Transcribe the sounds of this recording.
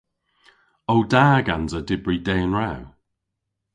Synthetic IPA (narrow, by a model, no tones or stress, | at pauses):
owdaːɡanzədɪbɹidɛːənɹaw